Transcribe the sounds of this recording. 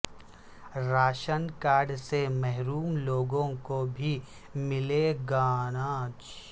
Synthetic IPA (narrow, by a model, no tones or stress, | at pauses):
ɾaːʃənkaːɾɖsemɛɦɾuːmloːɡõkobʱi | mɪleɡaːnaːt͡ʃ